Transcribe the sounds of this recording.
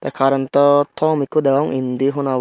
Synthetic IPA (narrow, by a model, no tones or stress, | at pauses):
t̪ɐkʰaːɾɐnt̪ɐt̪ʰɔːmikːud̪ɛʋɐŋind̪iɦuna